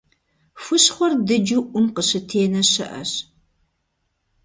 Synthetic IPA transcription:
fɨɕχʷɔrdɨd͡ʒuʔʷʊmqəɕɨtʰeːnɐɕɐʔɐ̰ɕ

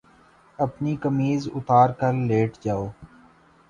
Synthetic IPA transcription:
ɐpnikəmiːzʊ̰t̪aːɾkɐlleːʈd͡ʒaːoː

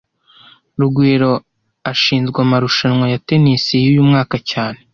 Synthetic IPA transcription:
ɾuɡwiːɾo̞ | aʃiːnzɡwamaɾuʃanŋwajate̞nisijujuːmŋaːkacaːne̞

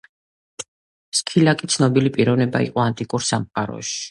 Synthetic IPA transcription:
skʰilakʼit̪sʰnɔbilipʼiɾɔvnɛba̰ḭqʼɔant̪ʼikʼuɾsamqʼaɾɔ̰ʃi̥

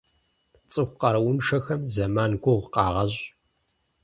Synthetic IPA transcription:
t͡sʼɨxʷqɐɾɐwʊnʂɐxɐmzɐmaːnɡʷʊʁqɑːʁɐʑ

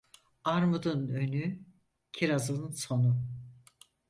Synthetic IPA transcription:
aɾmud̪ɯnøny | cʰiɾazɯnso̞nu

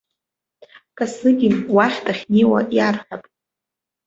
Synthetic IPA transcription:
kʼasɨɡʲinwaχʲtʰaχʲniwa̰ʔjarχapʼ

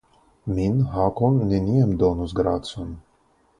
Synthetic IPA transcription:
mʲinɦakɔnːʲɛnʲijɛmd̪ɔnusɡɾat̪sun

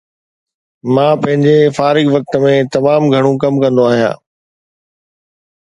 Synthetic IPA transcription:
mãːpɐ̃ɦɪ̃ɲd͡ʑefaːɾɪɡʋɐk̚t̪əmẽt̪ɐmaːmɡʱɐɽ̃ũkɐmkɐ̃nd̪oaːɦijã̰ː

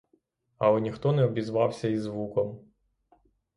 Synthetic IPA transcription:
ɐlˠɛnʲixt̪ɔnɛɔbʲizʋɑwsʲɐizʋukɔm

